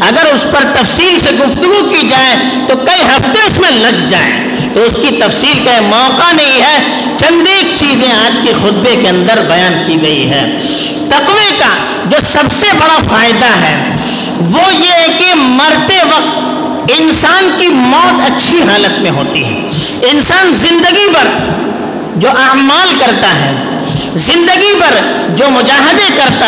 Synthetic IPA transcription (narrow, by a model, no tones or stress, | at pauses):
ɐɡəɾʊspɐɾt̪ɐfsiːlseɡʊft̪ʊɡukid͡ʒaːẽ | t̪okɐiɦɐft̪eʊsmẽlɐɡd͡ʒaːḛ̃ | t̪oʊskit̪ɐfsiːlkɐimɔːqanɐɦĩɦɛː | t͡ʃɐ̃nd̪eːk̚t͡ʃiːzẽaːd͡ʒkexʊt̪̚bekeɐ̃nd̪əɾbɐjaːnkiɡɐiɦɛ̰ː | t̪ɐqʋeka | d͡ʒoːsɐbsebɐɽafaːjɪd̪aɦɛː | ʋojeɦɛkemɐɾt̪eʋɐq̚t̪ | ɪnsaːnkimɔːt̪ɐtːʃʰiɦaːlət̪mẽɦoːt̪ḭɦɛ̰̃ː | ɪnsaːnzɪ̃nd̪əɡipɐɾ | d͡ʒoːʔɐmaːlkɐɾt̪aɦɛː | zɪ̃nd̪əɡipɐɾ | d͡ʒoːmʊd͡ʒaːɦɪd̪ekɐɾt̪a